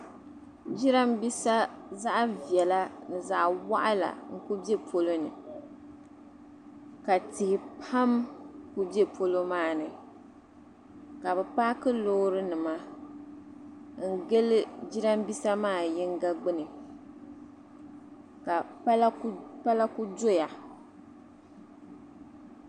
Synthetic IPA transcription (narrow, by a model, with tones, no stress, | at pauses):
d͡ʒi˦ɾa˦mbi˦sa˦za˦ʔvi˨ɛ˨la˦nɨ˨za˨ʔwa̰˦ʔa˦la̰˨ŋ̩˦˨ku˦be˦pʰo˦lo˦nɨ̰˨ | ka˨tɪ˨hɪ˨pʰa˦mku˦bje˦pʰo˦lo˦maː˦˨nɨ˨ | ka˨bɛ˨pa˦kɨ˦lo˦ɾɨ˦nɨ˨ma˦ | ŋ̩˦ɡe˦lɨ˦d͡ʒi˦ɾa˦m˦bi˦sa˦maː˦˨jɪ˦ŋ˦ɡa˦ɡ͡bɨ˦nɨ˨ | ka˨a˦lpa˦la˦ku˦do˦ja˨